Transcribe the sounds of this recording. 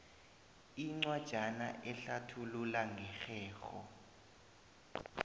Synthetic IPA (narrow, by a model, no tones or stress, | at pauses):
iŋ͡ǀwad̥ʒ̥ʱana̰ʔɛɬatʰululaŋʱɛxɛːxɔ̰